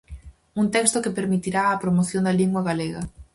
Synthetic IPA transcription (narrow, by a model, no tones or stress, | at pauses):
unt̪ɛkst̪okepeɾmit̪iɾaːpɾomoθjõnd̪ɐliŋɡwaɣaleɣɐ̰